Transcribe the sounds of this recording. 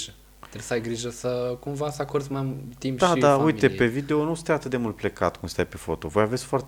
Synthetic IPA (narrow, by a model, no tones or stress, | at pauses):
ʒə | t̪ɾesəajɡɾiʒəsəkumvasəakoɾd̪mamt̪impd̪aid̪aujit̪e̞pe̞vid̪eonusɨt̪ejat̪ɨt̪d̪e̞mult̪̚ple̞ka̰t̪kumst̪ajpe̞fo̞t̪o̞̰vo̞javesʲfoart̪